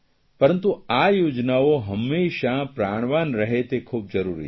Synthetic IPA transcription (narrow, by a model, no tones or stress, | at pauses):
pəɾənt̪uajod͡ʒnaoɦəmːeːʃapɾaɽ̃ʋanɾəɦet̪ekʰuːb̚d͡ʒəɾuɾḭ